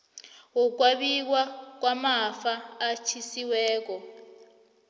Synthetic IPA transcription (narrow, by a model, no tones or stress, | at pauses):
uk̬waɓik̬wak̬wamafaːt͡ʃʰisiwɛːk̬ɔ